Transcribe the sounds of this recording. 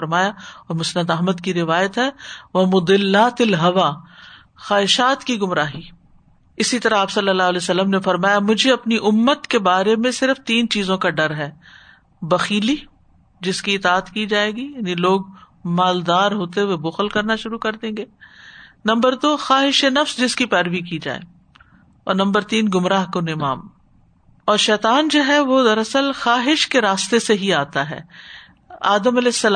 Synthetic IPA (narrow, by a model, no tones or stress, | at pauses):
ɾmaːjaɔːɾmʊsnəd̪ɐɦməd̪kiɾɪʋaːjət̪ɦɛːʋɐmʊd̪ɪlːaːt̪ɐlɦɐʋaː | xaːɦɪʃaːt̪kiɡʊmɾaːɦiː | ɪsit̪ɐɾaaːpsɐlːəlːaːɦlɛːsɐlːəmnefɐɾmaːjamʊd͡ʒʱeɐpniʔʊmːət̪kebaːɾemẽsɪɾft̪iːnt͡ʃiːzõkaɖɐɾɦɛː | bɐxiːli | d͡ʒɪskiɪt̪aːət̪kid͡ʒaːeːɡijaːniloːɡ | maːld̪aːɾɦoːt̪ewebʊxəlkɐɾnaʃʊɾukɐɾd̪ẽːɡeːnɐ̃mbəɾd̪oːxaːɦɪʃenɐfsd͡ʒɪskipɛːɾʋik̬id͡ʒa̰ːḛː | ɔ̰ːɾnɐ̃mbəɾt̪iːnɡʊmɾaːɦkonɪmaːm | ɔːɾʃɛːt̪aːnd͡ʒoːɦɛʋod̪ɐɾɐsəlxaːɦɪʃkeɾaːst̪eseɦiaːt̪aɦɛ̰ː | aːd̪əmɐlɛːsːɐl